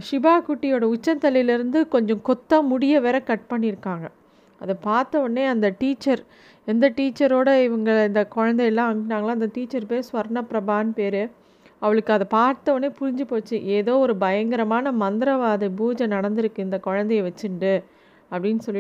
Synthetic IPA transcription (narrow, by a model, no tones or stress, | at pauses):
ʂɪbaːkuʈːɪjoːɽɐʊt͡ʃːɐnt̪ɐlɪjɪlɪɾɯnd̪ɯkɔɲd͡ʒɔ̃kɔt̪ːɐmʊɽɪjɐʋeːɾɐkɐʈ̚pɐɳːɪɾɯkːaːŋɡɐ | ɐðɐpaːɾt̪ɐʋɐnːeːɐnd̪ɐʈiːt͡ʃːɐɾ | ɛnd̪ɐʈiːt͡ʃːɐɾoːɽɐɪʋɐŋɡɐɭɪnd̪ɐkɔɻɐnd̪ɐjɛlːãːɐmnːaːŋɡɐɭãːɐɪnd̪ɐʈiːt͡ʃːɐɾpeːsʋɐɾɳɐpɾɐbaːnpeːɾɯ | ɐʋɐɭɯkːɯɐðɐpaːɾt̪ɐʋɐnːeːpʊɾɪɲd͡ʒɯpoːt͡ʃːɯʔeːðoːɔɾɯbɐjɐŋɡɪɾɐmaːnɐmɐnd̪ɪɾɐʋaːðɐɪbuːd͡ʒɐnɐɽɐnd̪ɪɾɯkːɯ̃ɪnd̪ɐkɔɻɐnd̪ɐjɐʋɐt͡ʃːɯɳɖɯ | ɐpːɐɽɪnːɯsɔlː